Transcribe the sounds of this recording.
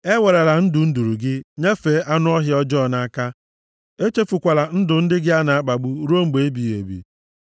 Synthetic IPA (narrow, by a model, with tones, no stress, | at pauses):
e˦we˨ɾa˨la˨n̩˦dʊ˨n̩˦du˨ɾu˨ɡɪ˦ɲe˦fe˨˦ʔa˦nʊ˦ɔ˦ɦɪ˦ɔ˦d͡ʒɔ˦˨na˦a˦ka˦ | e˦t͡ʃe˦fu˨kʷa˨la˨n̩˦dʊ˨n̩˦dɪ˦ɡɪ˦a˦na˨a˦k͡pa˨ɡ͡bu˦ɾo˦ŋ͡m̩˦ɡ͡be˨e˦bi˨ḛ˨bḭ˨